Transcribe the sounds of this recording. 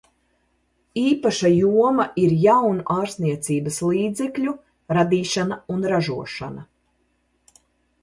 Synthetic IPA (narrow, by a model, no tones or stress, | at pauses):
iːpaʃajuɔmaʔiɾjawnuʔaːɾsnʲiɛt̪siːbɐsliːd̪zɛklʲu | ɾad̪iːʃanaunɾaʒuɔʃanɐ